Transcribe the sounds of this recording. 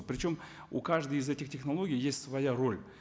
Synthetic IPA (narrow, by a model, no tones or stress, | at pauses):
pɾʲɪt͡ɕo̞m | ukaʐd̪əjɪzɛtʲɪxtʲɪxnɐlˠo̞ɡʲɪjjesʲtʲsvɐjaro̞lʲ